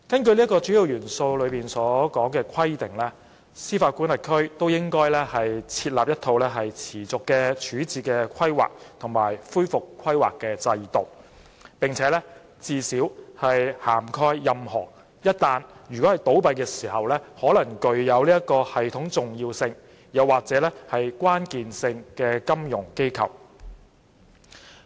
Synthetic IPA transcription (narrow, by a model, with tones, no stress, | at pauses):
kɐ˥nkɵ˧ɥliː˥kːɔː˧t͡ʃyː˨˥ji˨wjyː˨˩nso˧wlɵ˨˧ɥpiː˨˩nsɔː˨˥kɔː˨˥ŋkɛː˧kʷʰɐ˥jt̪ɪ˨˩ŋlɛ˥ | siː˥faː˧t̚kʷuː˨˥nlɪ˨˩kʰɵ˥ɥt̪o˥wjɪ˥ŋkɔː˥jlɛ˥hɐ˨jt͡sʰiː˧t̚laː˨p̚jɐ˥t̪ʰo˧wlɛ˥ɦɐ˨jt͡sʰiː˨˩t͡sʊ˨kːɛː˧t͡ʃʰyː˨˥t͡siː˧kɛː˧kʰɐ˥jwa̰ː˨k̚t̪ʰʊ˨˩ŋma̰ː˨˩jfuː˥jfʊ˨kʰːɐ˥jwa̰ː˨kːɛː˧t͡sɐ˧jt̪o˨˩w | pɪ˨ŋt͡sʰɛː˨˧lɛ˥ | t͡siː˧siː˨˥whɐ˨jhaː˨˩mkʰɔː˥jːɐ˨mhɔː˨˩ | jɐ˥t̚t̪aː˧njyː˨˩kɔ˨˥hɐ˨jt̪o˨˥wpɐ˧jkɛː˧siː˨˩hɐ˨wlɛː˥hɔː˨˥lɐ˨˩ŋkɵ˨ɥjɐ˨˧wliː˥jɐ˥kɔː˧hɐ˨jt̪ʰʊ˨˥ŋt͡sʊ˨ŋjiː˧wsɪ˧ŋ | jɐ˨wːaː˨k̚t͡sɛː˨˥lɛː˥hɐ˨jkwaː˥nkiː˨nsɪ˧ŋkɛː˧kɐ˥mjʊ˨˩ŋke˥jkʰɐ̰˨˩w